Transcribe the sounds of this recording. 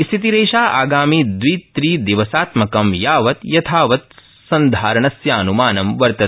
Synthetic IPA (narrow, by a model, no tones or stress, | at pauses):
ist̪ʰit̪iɾeːʃaːʔaːɡaːmiːd̪ʋit̪ɾiːd̪iʋɐsaːt̪mɐkɐmjaːʋɐt̪jɐt̪ʰaːʋɐt̪̚ | sɐnd̪ʱaːɾɐɳɐsjaːnumaːnɐmʋɐɾt̪ɐ